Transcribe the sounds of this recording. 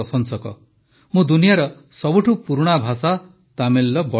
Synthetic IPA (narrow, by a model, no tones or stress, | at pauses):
ɔsɔnsɔkɔ̰ | mũd̪unijaɾɔ | sɔbuʈʰupuɾuɽ̃abʱasa | t̪amelːɔbɔ